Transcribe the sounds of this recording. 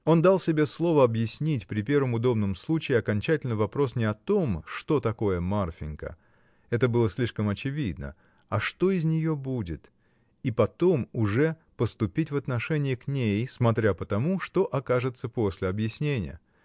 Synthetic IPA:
o̞nd̪ɑlˠsʲɪbʲe̞slˠo̞vəɐbjɪsʲnʲitʲpɾʲɪpʲe̞rvəmʊd̪o̞bnəmslˠut͡ɕɪːɐkɐnʲt͡ɕætʲɪlʲnɨvɐpɾo̞snʲɪɐt̪o̞mʂt̪o̞t̪ɐko̞jəmarfʲɪnkə̰ | ɛt̪əbɨlˠəsʲlʲiʂkəmɐt͡ɕɪvʲid̪̚nə̰ | ɐʂt̪o̞ɪzʲnʲɪjo̞budʲɪt̪ | ipɐt̪o̞mʊʐɛ | pəst̪ʊpʲitʲvɐt̪nɐʂɛnʲɪɪknʲejsmɐt̪ɾʲapət̪ɐmuʂt̪o̞ʔɐkaʐɨt̪səpo̞sʲlʲɪɐbjɪsʲnʲenʲɪ̰jə̰

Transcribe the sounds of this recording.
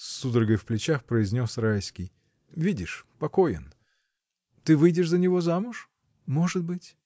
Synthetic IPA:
sːud̪ɾəɡəjfplʲɪt͡ɕaxpɾəɪzʲnʲo̞srajskʲij | vʲidʲɪʂpɐko̞jɪ̰n | t̪ɨvɨjdʲɪʂzənʲɪvo̞zamʊʂ | moʐɨt̪bɨtʲ

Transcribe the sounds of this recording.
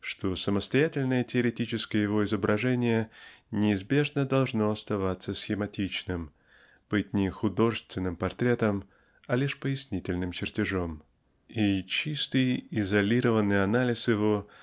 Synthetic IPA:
ʂt̪o̞səməst̪ɐjætʲɪlʲnəjətʲɪəɾʲɪtʲit͡ɕɪskəjəjɪvo̞ɪzəbɾʔɐʐɛnʲɪjənʲɪːzbʲe̞ʐnəd̪ɐlˠʐno̞ɐst̪ɐvat̪sːəsʲxʲɪmɐtʲit͡ɕnɨm | b̥ɨtʲnʲɪxʊd̪o̞ʐɨst̪vʲɪnːɨmpɐrt̪ɾʲe̞t̪əm | ɐlʲiʂpəjɪsʲnʲitʲɪlʲnɨmt͡ɕɪrtʲɪʐo̞m | it͡ɕist̪ɨjɪzɐlʲiɾəvənːɨjɐnalʲɪsjɪvo̞

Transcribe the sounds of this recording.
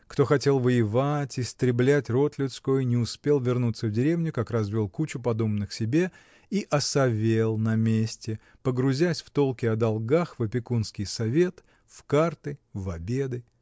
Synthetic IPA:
kt̪o̞xɐtʲe̞lˠvəjɪvatʲɪst̪ɾʲɪblʲætʲro̞t̪lʲɪt̪skojnʲɪʊspʲe̞lˠvʲɪrnut̪səvdʲɪɾʲe̞vnʲʊkakrɐzvʲilˠkut͡ɕʊpɐd̪o̞bnɨxsʲɪbʲe̞ | iʔɐsɐvʲelˠnɐmʲesʲtʲɪ | pəɡɾʊzʲæsʲft̪o̞lˠkʲɪɐd̪ɐlˠɡaxvəpʲɪkunskʲɪjsɐvʲe̞t̪ | fkart̪ɨvɐbʲe̞d̪ɨ

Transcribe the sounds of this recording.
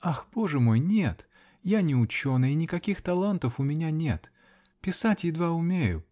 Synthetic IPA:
axbo̞ʐɨmo̞jnʲe̞t̪ | janʲɪʊt͡ɕo̞nɨjɪnʲɪkɐkʲixt̪ɐlˠant̪əfʊmʲɪnʲanʲe̞̰t̪ | pʲɪsatʲjɪd̪vaʊmʲejʊ̰

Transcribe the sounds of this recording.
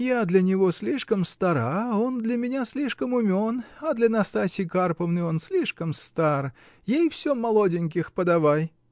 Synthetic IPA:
jad̪lʲənʲɪvosʲlʲiʂkəmst̪ɐɾaond̪lʲɐmʲɪnʲasʲlʲiʂkəmʊmʲonɐd̪lʲɐnɐst̪asʲɪjkarpəvnɨonsʲlʲiʂkəmst̪ar | jejfsʲomːɐlˠodʲɪnʲk̬ʲɪxpəd̪avaj

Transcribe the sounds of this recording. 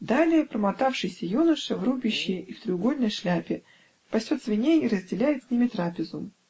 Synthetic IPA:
d̪alʲɪjəpɾəmɐt̪afʂɨjsʲəjunəʂəvrubʲɪɕːɪift̪ɾʲɪʊɡo̞lʲnəjʂlʲæpʲɪ | pɐsʲot̪svʲɪnʲeiɾəzʲdʲɪlʲæjɪt̪sʲnʲimʲɪt̪ɾapʲɪzʊ

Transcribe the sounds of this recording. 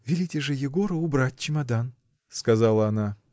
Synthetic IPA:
vʲɪlʲitʲɪʐɨjɪɡo̞ɾəʊbɾatʲt͡ɕɪmɐd̪an | skɐzalˠəɐna

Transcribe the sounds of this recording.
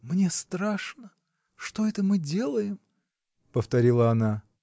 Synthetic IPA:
mnʲe̞st̪ɾaʂnə | ʂt̪oɛt̪əmɨdʲe̞lˠəjɪm | pəft̪ɐɾʲilˠəɐna

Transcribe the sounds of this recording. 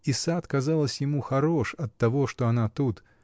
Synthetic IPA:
ɪsat̪kɐzɑlˠəsʲjɪmuxɐɾo̞ʂɐt̪ːɐvoʂt̪oɐnat̪ut̪

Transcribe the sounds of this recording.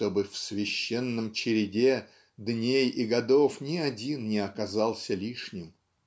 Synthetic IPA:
t̪o̞bɨfsvʲɪɕːenːəmt͡ɕɪɾʲɪdʲe | d̪nʲejɪɡɐd̪o̞fnʲɪɐdʲinnʲɪɐkɐzɑlˠsʲəlʲiʂnʲɪm

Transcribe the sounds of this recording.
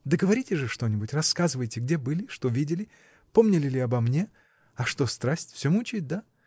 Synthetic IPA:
d̪əɡəvɐɾʲitʲɪʐɨʂt̪o̞nʲɪbʊtʲrɐskazɨvəjtʲɪɡdʲe̞bɨlʲɪʂt̪o̞vʲidʲɪlʲɪ | po̞mnʲɪlʲɪlʲɪɐbɐmnʲe | ɐʂt̪o̞st̪ɾasʲtʲfsʲomut͡ɕɪɪt̚ʲd̪a

